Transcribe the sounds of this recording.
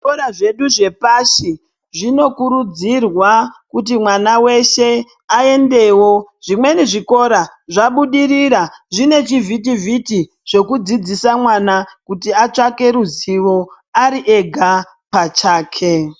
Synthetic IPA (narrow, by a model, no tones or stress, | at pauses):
ʐikoɾaʐe̞ɗuʐe̞paʃi | ʐino̞kuɾud͡zirwakut̬imwanawe̞ʃe̞ | ae̞nde̞wo̞ʐimwe̞niʐiko̞ɾaʐaɓuɗiriɾaʐine̞t͡ʃivʱit̬ivʱiti | ʐo̞kud͡zid͡zisamwanakutiat͡ʂake̞ɾuziʋo̞ | aɾiʔe̞ɡʱa | pat͡ʃaːkʰe